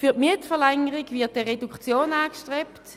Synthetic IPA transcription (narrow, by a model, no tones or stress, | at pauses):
fyɐtmiətfɛɐlɛŋəʁiɡviɐt̚dɛʁedukt͡sjoːnaːkʃtʁɛpt